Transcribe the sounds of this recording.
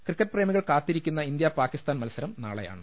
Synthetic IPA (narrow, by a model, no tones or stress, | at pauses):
krɨkːɐʈ̚ːpreːmiɣɐɭkaːt̪ːiɾikʲːunːɐind̪japaːkːist̪aːnmɐlusɐɾɐmna̰ːɭɐja̰ːɳɨ